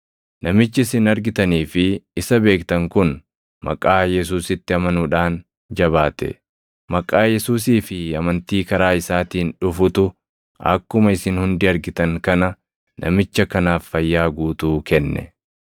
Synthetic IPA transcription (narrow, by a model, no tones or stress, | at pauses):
nɐmɪt͡ʃːɪɪsɪnɐɾɡɪt̪ɐniːfɪɪsɐbe̞ːkt̪ɐŋkʊn | mɐ̰kʼːaːjɛs̬uːsɪt̪ːɪɐmɐnuːᶑaːn | d͡ʒɐβaːt̪ɛ̰ | mɐkʼːaːjɛsuːs̬iːfɪɐmɐnt̪iːkɐɾaːɪsaːt̪iːnᶑʊfʊt̪ʊ | ɐ̰kːʊmɐɪsɪnhʊnd̪ɪɐɾɡɪt̪ɐŋkɐnɐ | nʔɐ̰mɪt͡ʃːɐkɐnaːfːɐjːaːɡuːt̪uːkɛnːɛ̰